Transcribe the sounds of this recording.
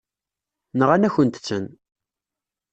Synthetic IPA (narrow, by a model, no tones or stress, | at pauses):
nəʁænæçənt̪ə̥t͡sːən